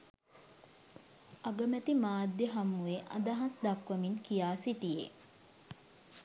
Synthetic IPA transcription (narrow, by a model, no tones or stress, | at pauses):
aɡəmæt̪imaːd̪ːjeɦamːueʔa̰d̪aɦãsd̪akʋəmiŋkijaːsit̪ijḛ